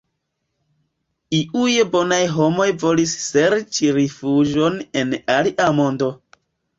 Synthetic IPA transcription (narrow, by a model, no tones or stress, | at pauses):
iujebo̞najɦo̞mo̞jvo̞lisse̞ɾt͡ʃiɾifud͡ʒo̞ne̞naliʔamo̞ndo̞